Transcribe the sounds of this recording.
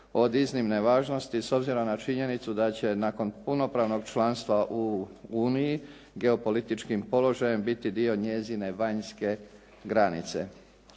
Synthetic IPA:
o̞d̪iznimne̞ʋaːʒno̞st̪iso̞bziɾomnat͡ʃiɲe̞nit̪sud̪at͡ɕe̞nako̞npuno̞pɾaːʋno̞ɡt͡ʃlˠanst̪ʋaʔuuːniji | ɡe̞o̞po̞lit̪it͡ʃkimpo̞lo̞ʒaje̞mbit̪id̪io̞ɲe̞zine̞ʋaɲske̞ | ɡɾanit̪se̞̰

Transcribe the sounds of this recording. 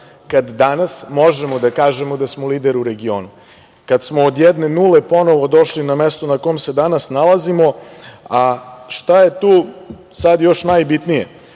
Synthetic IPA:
kad̪ːanasmo̞ʒemod̪akaːʒemod̪asmoliːd̪eɾuɾe̞ɡio̞̰ːnu | kad̪smoːd̪jɛd̪ne̞nulepo̞no̞ʋod̪o̞ʃlinamest̪onakomse̞d̪anasnalˠazimo̞aʃt̪aje̞t̪uː | sad̪jo̞ʃnajbit̪nije

